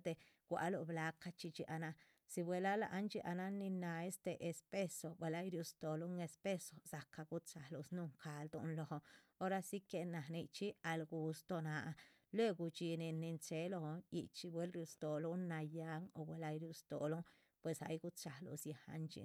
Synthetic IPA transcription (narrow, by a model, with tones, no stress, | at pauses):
d̪e˧ɡ̥ʷa̰˧lo˧bla˧ka˧t͡ʃi˧t͡ʃi˧ʔa˧na˧ | si˧bʷwe˧la˦la̰˧ʔa˦nt͡ʃi˧ʔa˧na˦ni˧na˧e˦st̪e˧ʔe˧spe˦so˨˧bwe˨la˧˦jɾju˧st̪o˨lu˦ŋe˧spe˦so˧sa˨ka˧ɡu˦t̪t͡ʃa˨lo˧snu˧ŋkʰa˨ld̪o̰˧nlo˨ho˧o˦ɾa˦si˦ke˧na˨ni˧t͡ʃi˦a˧lɡu˧st̪o˧na˨˧ | lwe˦˧ɡu˧t͡ʃi˧ni˧ni˧nt͡ʃe˧˦lo˧hḭ˧t͡ʃi˧bwe˦lɾju˧st̪o˨lu˦na˧ja˧ŋo̰˧bwe˨la˦jɾju˧st̪o˨lu˦ | pwe˨sa̰˧˦jɡu˦t͡ʃa˨lo̰˧sja˨ha̰˧nt͡ʃḭ˧